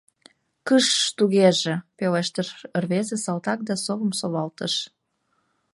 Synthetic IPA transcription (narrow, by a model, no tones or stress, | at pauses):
kəʃt̪uɣeʒepeleʃt̪ərərβezesɑlt̪ɑk̚d̪ɑsoβəmsoβɑlt̪əʃ